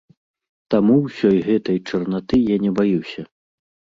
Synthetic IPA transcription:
t̪amuwsʲɔjɣɛt̪ɐjt͡ʂɐrnat̪ɨjanʲɛbajuwsʲɐ

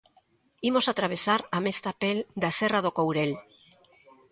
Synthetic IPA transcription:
imosat̪ɾaβ̞esaɾamest̪apeld̪aserað̞okowɾel

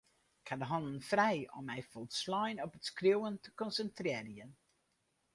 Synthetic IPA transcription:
ɪkhadəɦɔndən̩frɛjɔ̰mːɛjfɔlˠtslɔjnɔpətskriwəntə̥kɔnsəntrɪːrjən

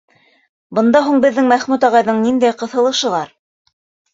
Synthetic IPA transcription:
bɤ̆nd̪ɑɦuɴbɘ̆ðːɘŋmæχmʉt̪ɑʁɑjðɤɴnind̪æjqɤ̆θɤ̆lˠɤ̆ʃɤ̆lˠɑɾ

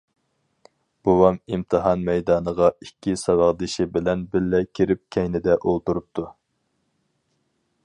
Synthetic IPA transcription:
b̥owɑmimt̪ʰɨɦɑnmɛjd̪ɑːnəʁɑikʲːisɑwɑʁd̪ɪʃɪbɪlɛnbɪlːɛkʲʰiɾɪp̚kʲʰɛjnɪd̪ɛʔolˠt̪uɾup̚t̪ʰu

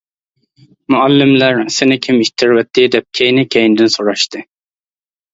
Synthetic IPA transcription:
muælːɪmlæɾsɪnɪkʲʰimiʃt̪ʰɪɾwɛt̪ʰːɪd̪ɛp̚kʲʰejnɪkʲʰejnd̪ɪnsoɾɑʃt̪ɨ

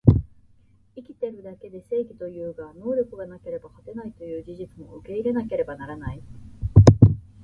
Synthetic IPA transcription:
ikʲi̥t̪e̞ɾɯ̟d̪ake̞d̪e̞se̞ːɡʲit̪o̞jɯ̟ːɡano̞ːɾʲo̞kɯ̟ɡanake̞ɾe̞bahat̪e̞nait̪o̞jɯ̟ːd͡ʑiʑit͡sɨmo̞̰ɯke̞iɾe̞nake̞ɾe̞banaɾanai

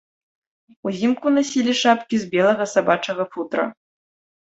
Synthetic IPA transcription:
uzʲimkunasʲilʲiʂapkʲizbʲɛlˠɐɣɐsabat͡ʂɐɣɐfut̪ɾɐ̰

